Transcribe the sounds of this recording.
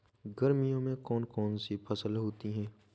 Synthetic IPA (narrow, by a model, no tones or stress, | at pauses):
ɡəɾmijõmẽkɔːnkɔːnsipʰɐsəlɦoːt̪iɦɛ̃ː